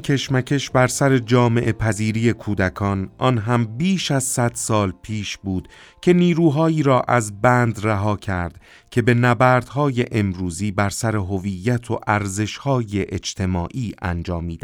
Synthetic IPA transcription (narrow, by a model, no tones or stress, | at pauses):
cʰe̞ʃmæcʰe̞ʃbæɾsæɾe̞d͡ʒɒːme̞ʔepʰæziːɾiːje̞kʰuːd̪ækʰɒːnʔɒːnɦæmbiːʃæzsæd̪̥sɒːlpʰiːʃbuːd̪̥ | cʰe̞niːɾuːɦɒːiːɾɒːʔæzbænd̪ræɦɒːcʰæɾd̪̥ | cʲʰe̞be̞næbæːɾd̪̥ɦɒːje̞ʔemɾuːziːbæɾsæɾe̞ɦoviːjːæt̪ʰoʔæɾze̞ʃhɒːjeʔed͡ʒt̪ʰe̞mɒːʔiːʔæ̰nd͡ʒɒːmːiːd̪æ